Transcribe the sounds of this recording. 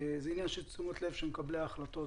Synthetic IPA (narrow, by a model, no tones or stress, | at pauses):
ezɛinjanʃelt͡sumot̪le̞v̥ʃemekableaχlat̪o̞